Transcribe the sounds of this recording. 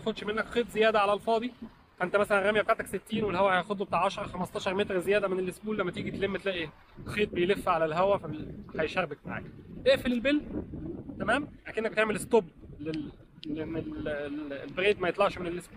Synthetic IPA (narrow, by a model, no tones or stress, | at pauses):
xod̪ʃmenːækxeːt̪zejæːd̪æʕalælfɑːd̪ˤi | fæʔent̪æmæsælænɾæmjæbet̪aʕt̪ækset̪ːiːnwelhæwæhæjæxod̪ˤobet̪aːʕɑʃɑɾˤɑxæmɑst̪ˤɑːʃɑɾˤmet̪ɾzejæːd̪æmenelʔesbuːlːæmːæt̪iːɡit̪lemːæt̪elæːʔi | xeːt̪̚bejlefːæʕalælɦæwæfæhæjʃæɾbeɡ̚maʕa̰ːkʔ̪eʔfelelbelːt̪æmæːmlæːkeʔnːæk̚et̪eʕmelest̪oblel | leʔenːel | lbeɾeːd̪mæjet̪ˤlɑʕʃmenelʔesbuːl